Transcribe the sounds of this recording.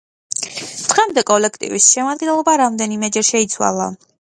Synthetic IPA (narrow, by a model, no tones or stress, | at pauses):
d̪̥ʁɛmd̪ɛkʼɔlɛkʰt̪ʼḭvisʃɛmad̪ɡɛnlˠɔbaɾamd̪ɛnimɛd͡ʒɛɾʃɛit̪sʰwa̰lˠa̰